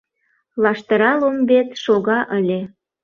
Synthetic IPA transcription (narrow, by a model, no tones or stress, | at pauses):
lɑʃt̪əɾɑlombet̪ʃoɣɑʔəlʲe